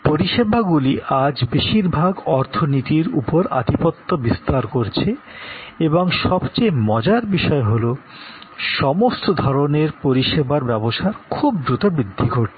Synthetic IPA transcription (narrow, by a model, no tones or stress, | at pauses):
poɾiʃebʱaɡuliʔad͡ʑbeʃiɾbʱaɡɔɾt̪ʰonit̪iɾṵpoɾa̰d̪ʱipot̪ːobist̪aɾkoɾt͡ɕʰe | eboŋʃɔbt͡ɕemɔd͡ʑaɾbiʃɔeɦolo | ʃɔmost̪ʰod̪ʱɔɾoneɾpoɾiʃebaɾbɛboʃaɾkʰubd̪ɾut̪obɾid̪ʱːiɡʱoʈ